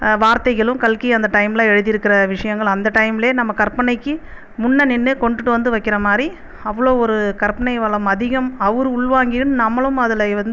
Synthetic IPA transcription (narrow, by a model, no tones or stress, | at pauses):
ʋaːɾt̪ɐɪɣɐɭɯmkɐlkiɐnd̪ɐʈɐɪmlãːɛɻɯðɪjɪɾɯkːɪɾɐʋɪʂɐjɐŋɡɐɭɐnd̪ɐʈɐɪmɪleːnɐmːɐkɐɾpɐɳɐɪkːɯ | mʊɳːɐnɪnːɯkɔɳɖɯʈːɯʋɐnd̪ɯʋɐɪkːɪɾɐmaːd̪ɾi | ɐʋːɐɭoːɔɾɯkɐɾpɐɳɐɪʋɐɭɐmɐðɪɣɐmɐʋɯɾɯʊɭʋaːŋɡɪjɯmnɐmːɐɭɯmɐðɯlɐʋɐnd̪